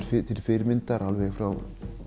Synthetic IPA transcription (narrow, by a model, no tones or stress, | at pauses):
fɪt̪ʰɪlfɪɾmɪnt̪aɾʔalvɛɣfɾaw